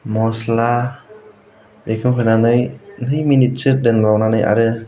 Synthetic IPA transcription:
mɔsla | bekʰɯwɦɯjnanɯjnɯjminit̚t͡ʃɯɾdɯnlawnanɯja̰ɾɯ

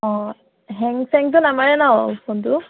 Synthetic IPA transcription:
ɔ | ɦɛŋsɛŋt̪̬unamaɹɛnaɔpʰont̪u

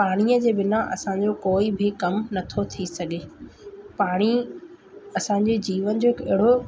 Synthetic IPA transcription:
paːɽ̃iəd͡ʑeːbɪnaʔɐ̰sãɲd͡ʑokoːibʱɪkɐmnɐt̪ʰot̪ʰisɐɡeːpaːɽ̃i | ɐsãːɲd͡ʑed͡ʑiːʋən̆d͡ʑoːkɪɦɪɽo

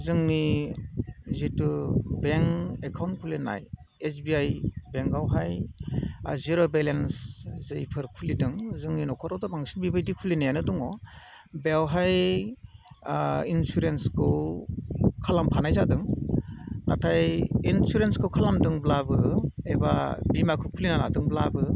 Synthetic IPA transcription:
zɯŋni | zitubeŋekʰawnkʰulina̰j | esbiajbeŋɡawɦaj | ziɾobelenszɯjpʰɯɾkʰulidɯŋzɯŋninɔkʰɔtɾawdɔbaŋsinbibajdikʰulinajanɯdɔŋɔ | beawɦaj | insuɾenskʰɯw | kʰalampʰanajzadɯŋ | natʰajinsuɾenskʰɯwkʰalamdɯŋblabɯebabimakʰɯwkʰulinana̰dɯŋblabɯ

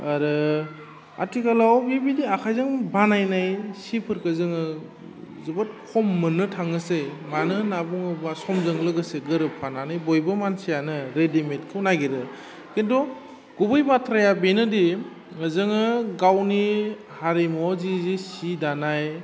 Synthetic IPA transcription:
aɾɯ | a̰tikalawbibidiakʰajzɯŋbanajnajsipʰɯɾkɯzɯŋɯ | zɯbat̚kʰɔmːɯnɯtʰaŋɯsemanɯnabɔŋɯbasɔmzɯŋlɯɡɯseɡɯɾɯpʰananɯjbɔjbɯmansijanɯɾedimetkʰɯwnaɡeɾɯ | kendɔ | ɡ̥ubɯjbatʰɾajabenɯdi | ŋəzɯŋɯɡawni | haɾemɔzizisidanaj

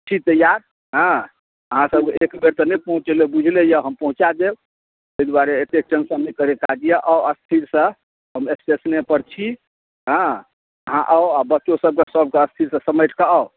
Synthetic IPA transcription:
t͡ʃʰit̪əjaɾ | ɦə̃ | əɦãsəbkeekbeɾt̪ɔnɛpəɦũt͡ʃelebud͡ʒʱlejəɦəmpəɦũt͡ʃad̪eb̪ | əid̪waɾeet̪ek̚t͡ʃənsəmnekəɾekad͡ʒijəʔaəst̪ʰiɾsə̃ | ɦəmesesnepəɾt͡ʃʰi | ɦə̃ | əɦãʔəabətːʃosəb̚kesəb̚ʱkeəst̪ʰiɾsə̃səməjʈʰkaɔʊ

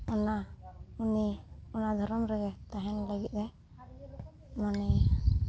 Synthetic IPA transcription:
ɔnauniɔnad̪ʱɔɾɔmɾɛɡɛt̪aɦɛnləɡit̪̚ˀdɛ | manɛ

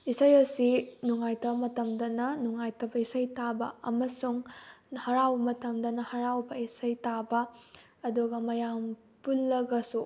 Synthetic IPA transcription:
isɐjɐsinuŋajtʰɐbɐmɐtɐmdɐnɐnuŋajtʰɐbɐisɐjtabɐ̰ɐ̰mɐsuŋhɐɾawbɐmɐtɐmdɐnɐhɐɾawbɐisɐjtabɐ | ɐduɡɐmɐjam | pulːɐɡɐsu

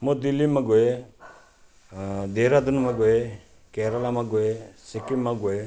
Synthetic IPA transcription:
mod̪ilːimaɡoe | d̪eːɾad̪unmaɡoe | kɛɾalamaɡoesekimːaɡoe

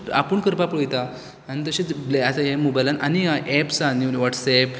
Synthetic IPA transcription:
a̰pəɳkəɾpapəɭjt̪aː | ñit̪̬əɕebleat̪aɦemobajlananiaʔɛpsaniʋaʈsɛp

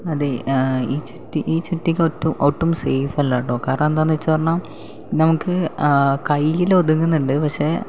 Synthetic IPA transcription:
ɐðeiːt͡ɕutːiʔiːt͡ɕutːikʲːotːumʔoʈːumsejfɐlːaːʈːoːkaːɾɐɳɐmend̪aːnːʋɐt͡ɕːupɐrɐɳaːm | nɐmukːɨkɐjilod̪uŋːunːuɳɖɨpɐkʂe̞ː

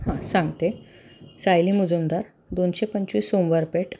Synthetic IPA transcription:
hãsãŋɡt̪e | sajlimud͡zumd̪aɾ | d̪onɕepəɲt͡ɕʋiːsomʋəɾpeʈ

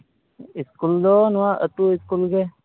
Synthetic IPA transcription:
ɪskuld̪oːnwãʔət̪uɪskulɡe

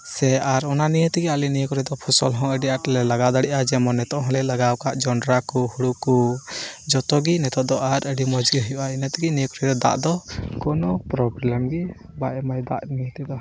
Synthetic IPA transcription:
sɛaɾɔnanijət̪ɛɡɛalinijəkɔɾɛd̪ɔpʰusɔ̰lɦɔ̃əɖiʔaʈlɛlaɡad̪aɽiʔad͡ʒɛmɔnɛt̪ɔʔɦɔ̃lɛlaɡawkaʔd͡ʒɔɳɖɾakuhuɽuku | d͡ʒɔt̪ɔɡinɛt̪ɔʔd̪ɔʔaɾəɖimɔd͡ʒɡəɦɔjuʔainət̪ɛɡinijəkɔɾɛd̪ɔd̪a̰ʔd̪ɔkɔnɔpɾɔblɛmɡi | baʔɛmajd̪a̰ʔnijət̪ɛd̪a

